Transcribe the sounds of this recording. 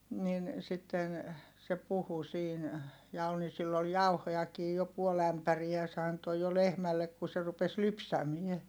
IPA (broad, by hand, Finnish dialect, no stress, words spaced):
nin sitːen se puhu siːn jɑ ol ni silː ol jɑuhojɑkiː jo puol æmpæriæ se ɑnto jo lehmælːek ku se rupes lypsæmie